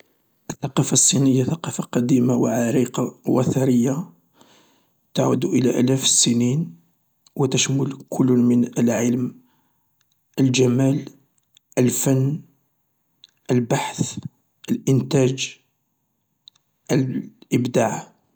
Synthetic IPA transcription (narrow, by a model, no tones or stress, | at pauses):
ʔəθːɑqɑfɑsˤːinəjːaθɑqɑfaqɑd̪imawʕaɾiqɑwæθɑɾəjːa | t̪aʕṵd̪uʔəlæʔæ̰læfsənin | wət̪əʃmʊlkʰʊlːmənəlʕəlm | ʔəlʒæmæl | ʔəlfənː | ʔəlbaħθ | ʔəlʔənt̪æd͡ʒ | ʔəlʔəbd̪aʕ